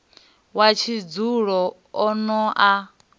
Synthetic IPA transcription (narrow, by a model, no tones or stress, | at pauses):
wat͡ʃʰid͡zuɺɔ | ɔnɔʔa